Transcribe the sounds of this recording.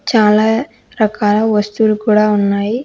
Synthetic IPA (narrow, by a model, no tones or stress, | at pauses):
t͡ʃaːlɐ | ɾɐkːaːlɐʋɐst̪uɾkuːɽaʊnːaːj